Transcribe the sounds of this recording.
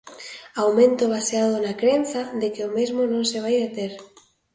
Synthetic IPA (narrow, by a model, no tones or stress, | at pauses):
awmẽnt̪oβ̞aseað̞onakɾenθaðekeomezmonõŋseβ̞ajðet̪eɾ